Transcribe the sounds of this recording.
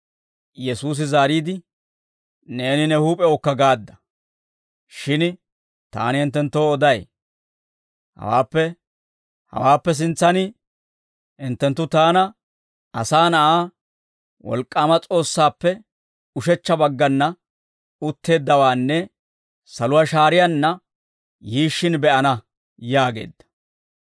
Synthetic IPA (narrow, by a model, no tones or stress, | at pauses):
jɛsuːs̬ɪzaːɾiːd̪ɪ | ne̞ːnɪnɛhuːpʼɛɔkːɐɡaːd̪ːɐ̥ | ʃɪn | t̪a̰ːnɪhɪnt̪̬ːɛnt̪ːoːɔd̪ɐj | hɐ̰wa̰ːpːɛ | hɐ̰waːpːɛs̬ɪnt͡sːɐnɪ | hɪnt̪ːɛnt̪ːʊt̪aːnɐ | ɐsaːnɐʔaː | wɔ̰lkʼːaːmɐt͡sʼo̞ːsːaːpːɛ | ʊʃɛt͡ʃːɐbɐɡːɐnːɐ | ʊt̪ːe̞ːd̪ːɐwaːnːɛ | sɐlʊwaːʃaːɾɪjɐnːɐ | jiːʃːɪnbɛʔɐnɐ | jaːɡe̞̰ːd̪ːɐ̥